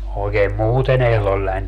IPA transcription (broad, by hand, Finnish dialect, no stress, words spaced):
oikeːm muːten ehlolːɑnʲ